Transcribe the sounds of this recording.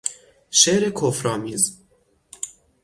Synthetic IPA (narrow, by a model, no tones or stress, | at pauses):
ʃeɾekʰofɾɒːmiːz